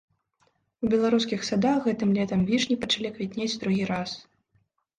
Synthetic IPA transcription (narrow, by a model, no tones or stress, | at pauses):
ubʲɛlˠaɾus̬kʲixsad̪aɣɛt̪ɨmlʲɛt̪ɐmvʲiʂnʲipɐt͡ʂalʲiɐkvʲit̪ʲnʲed͡zʲd̪ɾuɣʲiɾas